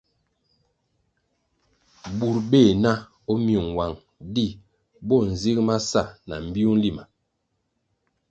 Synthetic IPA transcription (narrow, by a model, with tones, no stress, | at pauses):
bu˨ɾbe˦˨na˦ | ɔ˦mju˨ŋ˨wa˨ŋ | di˦˨ | bɔ˦˨n̩˨zi˦kma˦sa˦˨na̰˨m̩˨bi˦u˦n˦li˦ma˨